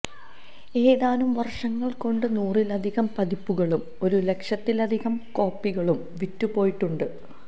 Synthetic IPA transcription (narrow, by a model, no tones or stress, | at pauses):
e̞ːðaːnumʋɐrʂɐŋːɐɭko̞ɳɖɨnuːrilɐd̪ʱiɣɐmpɐd̪ipːuɣɐɭum | o̞ɾule̞kʂɐt̪ːilɐd̪ʱiɣɐmko̞ːpːiɣɐɭum | ʋitːupo̞ːjiʈːuɳɖɨ